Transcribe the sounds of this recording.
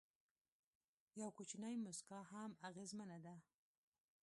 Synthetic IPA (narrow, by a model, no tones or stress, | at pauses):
jawkut͡ʃnajmʊskɑhamaɣezmanad̪a